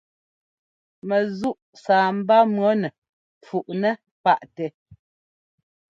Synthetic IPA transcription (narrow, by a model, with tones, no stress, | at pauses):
mɛ˨zu˦ʔsaː˨m̩˦ba˦mɰɔ˨˦nɛ˨ | p͡fu˨ʔnɛ˦ | pa˦ʔtɛ˨